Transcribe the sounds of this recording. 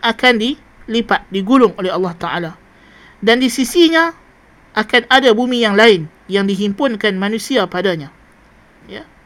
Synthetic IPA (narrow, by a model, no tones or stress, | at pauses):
ʔakandi | lipat̪̚diɡulʊŋolɛɦalːɑht̪aʔa̰la | dandisisiɲã | ʔakanadabumijaŋlaɪn | jaŋdiɦimpʊnkanmanũsiapadaɲã | ja